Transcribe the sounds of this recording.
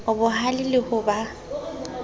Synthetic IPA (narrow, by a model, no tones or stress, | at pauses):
ʊbʊhalɪlɪhʊba